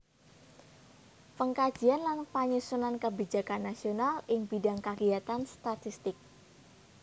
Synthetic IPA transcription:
pəŋkḁd͡ʒ̥ianlanpaɲusunankəbid͡ʒakanːasionalɪŋb̥idaŋkaɡiat̪anst̪at̪ist̪ɪk̚

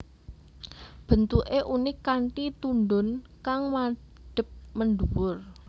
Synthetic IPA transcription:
b̥ə̤nt̪uʔeʔunɪkaɳʈit̪unɖʊnkaŋma | ɖ̥ə̤p̚məɳɖuwʊr

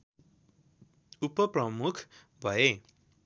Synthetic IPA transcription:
upʌprʌmukʰ | bʱʌe

